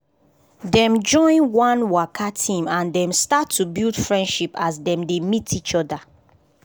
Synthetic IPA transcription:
dɛ̃md͡ʒɔ̃ɪ̃nwãnwakʰatʰĩmãndɛ̃mstatʰːubildfɹɛ̃ndʃipasdɛ̃mdemitʰit͡ʃɔda

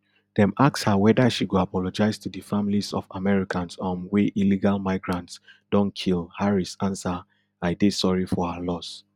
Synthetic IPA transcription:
d̥ɛ̃makshawɛdaʃiɡoapʰɔlɔd͡ʒaɪstʰudəfãmilisɔfamɛɹikʰãnsãnweʔiliɡalmaɪɡɹãntsd̥ɔ̃nkʰilhaɹisãnsa | aɪdesɔɹifɔhalɔs

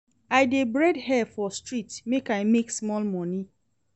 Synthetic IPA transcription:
ajdebɾɛdhɛfɔstɹitmekajmeksmɔlmɔ̃ni

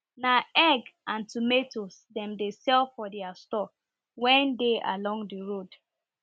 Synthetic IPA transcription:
naɛɡãntumetosdɛ̃mdesɛlfɔdɛastɔ | wɛ̃ndeʔa̰lɔ̃ŋdiɹod

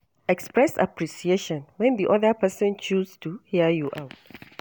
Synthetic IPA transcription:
ɛkspɹɛsa̰pɹiʃieʃɔ̃nwɛ̃ndiʔɔdəpɛsɔ̃nt͡ʃʰustʰuhiəjuʔawt

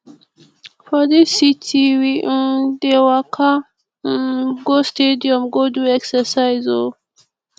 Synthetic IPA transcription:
fad̪esitiwid̪ewaqʰa | ɡostedijomɡod̪ueksəɾsajzo

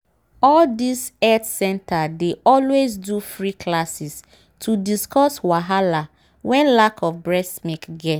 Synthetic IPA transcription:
ɔldisɛtsɛ̃ntʰadeʔɔlwezdufɹikʰlasis | tʰudiskɔswaɦala | wɛ̃nlakʰɔfbɹɛsmikɡɛt

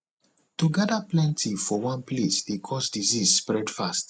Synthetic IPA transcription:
tuɡadaplɛ̃ntʰifɔwãnplesdekʰɔsdizizspɹɛdfast

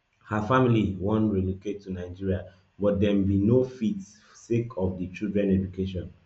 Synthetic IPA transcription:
hafamiliwɔ̃nɹɛduketʰːunaɪd͡ʒiɹia | bɔt̚dɛmbinofit | sekʰɔfdət͡ʃildɹɛ̃nɛd͡ʒukʰeʃɔ̃n

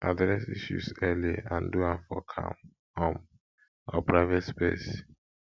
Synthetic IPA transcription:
ʔadɹɛsiʃṵsɛliãnduãnfɔkʰã̰m | ɔ̃m | ɔpʰɹaɪvɛtspes

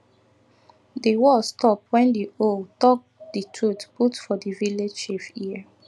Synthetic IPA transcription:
dewɔlstɔpwɛ̃ndioltɔk̚d̥itʰɹutputfɔdiviledʃifiə

